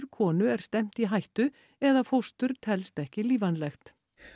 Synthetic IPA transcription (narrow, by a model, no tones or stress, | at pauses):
ɾkʰɔːnʏɛɾ̥st̪ɛm̥t̪iɦajht̪ʏ | ɛðafowst̪ʏɾt̪ʰɛlst̪ɛhcɪliːvanlɛxt̪